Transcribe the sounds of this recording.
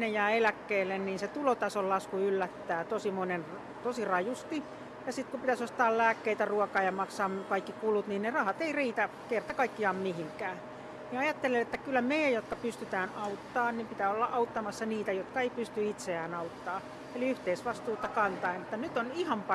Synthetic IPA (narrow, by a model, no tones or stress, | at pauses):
nejæːelækːeːlːenniːnset̪ulot̪ɑsollɑskuylːæt̪ːæːt̪osimonen | t̪osirɑjust̪i | jɑsit̪kupit̪æsost̪ɑːllæːkːeit̪æruɔkɑːjɑmɑksɑːmkɑikːikulut̪niːnnerɑhɑt̪eiriːt̪ækert̪ɑkɑikːiɑmmihiŋkæː | niɑjɑt̪ːelːelet̪ːækylːæmeijæjjot̪kɑpyst̪yt̪æːnɑut̪ːɑːnnimpit̪æːolːɑ̰ʔɑut̪ːɑmɑsːɑniːt̪æjot̪kɑeipyst̪yit̪seæːnɑut̪ːɑː | eliyht̪eisʋɑst̪uːt̪ɑkɑnt̪ɑinet̪ːænyt̪onihɑmpɑ